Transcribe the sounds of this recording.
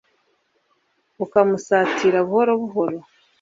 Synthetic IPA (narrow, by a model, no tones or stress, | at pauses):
ukamusaːtiːɾaβuhoɾo̞βuɦo̞ɾo